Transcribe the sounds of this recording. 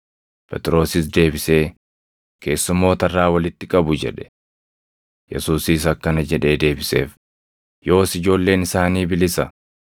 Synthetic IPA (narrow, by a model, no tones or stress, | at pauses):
pʰɛt̪ʼɪɾo̞ːsɪs̬d̪e̞ːbɪse̞ː | kʰe̞ːsːʊmːo̞ːt̪ɐrːaːwɐlɪt̪ːɪkʼɐbʊd͡ʒɛ̰ᶑɛ̥ | jɛ̰suːsiːs̬ɐkːɐnɐd͡ʒɛᶑe̞ːd̪e̞ːbɪse̞̰ːf | jo̞ːsɪd͡ʒo̞ːlːe̞ːnɪsaːniːbɪlɪsɐ